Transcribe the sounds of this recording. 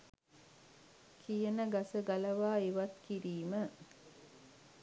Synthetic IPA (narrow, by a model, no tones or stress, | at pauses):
kʰijənəɡɐsəɡɐlɐʋaːiʋɐt̪kiɾiːmə